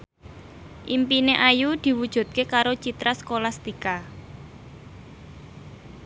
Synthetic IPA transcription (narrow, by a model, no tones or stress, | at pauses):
ʔimpineʔajud̪̥i̤wud̥ʒ̥ṳd̪̚kekaɾot͡ʃit̪ɾaskolast̪ika